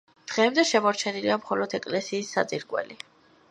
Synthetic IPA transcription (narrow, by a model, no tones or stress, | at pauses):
d̪̥ʁɛːmd̪ɛʃɛmɔɾt͡ʃʰɛniliamχɔlɔd̪ʰɛkʼlɛsiːsːa̰t̪sʼiɾɡʼwɛ̰li